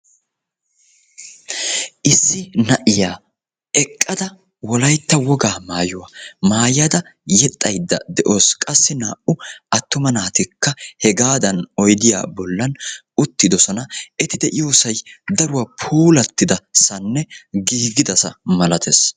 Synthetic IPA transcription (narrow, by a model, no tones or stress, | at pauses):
ʔɪsːɪnɐʔɪjaː | ɛkʼːɐd̪ɐ | wɔlɐjt̪ːɐwɔɡaːmaːjʊwamaːjɐd̪ɐ | jɛt̪ʼːɐjd̪ːɐd̪ɛʔoːskʼɐsːɪnaːʔʊɐt̪ːʊmɐnaːt̪ɪkːɐhɛɡaːd̪ɐnɔjd̪ɪja̰ːbɔlːɐn | ʊt̪ːɪd̪ɔsɔnɐʔɛt̪ɪd̪ɛʔɪjoːsɐjd̪ɐɾʊwɐpʰuːlɐt̪ːɪd̪ɐsɐnːɛɡiːɡɪd̪ɐsɐmɐlɐt̪ʰes